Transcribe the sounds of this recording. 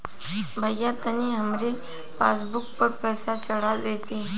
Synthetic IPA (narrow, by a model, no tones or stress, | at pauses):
bʱəjːat̪əniɦəmɾe | fa̰ːs̬bʊk̚pəɾpɾɛːsat͡ʃəɽ̤ad̪eːt̪i